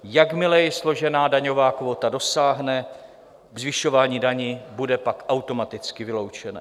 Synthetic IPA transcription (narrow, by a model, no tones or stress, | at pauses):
jakmɪlɛjɪslo̞ʒɛnaːdaɲo̞vaːkvot̪ado̞saːɦnɛ | vzvɪʃo̞vaːɲiːdaɲiːbudɛpakʔawt̪o̞mat̪ɪt͡skɪvɪlo̞wt͡ʃɛna̰